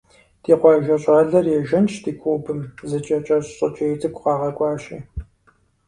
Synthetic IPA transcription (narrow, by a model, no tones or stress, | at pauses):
d̥iːqʷɑːʒɐɕʼaːɮɐrjɛʒɐnt͡ʃʰtʰiːkʷʰuːbɨmzɐt͡ʃʼɐt͡ʃʼɐɕɕʼɐ̰t͡ʃʼɐjt͡sʼɨkʷʰʼqɑːʁɐkʷʼɑːɕʼḭː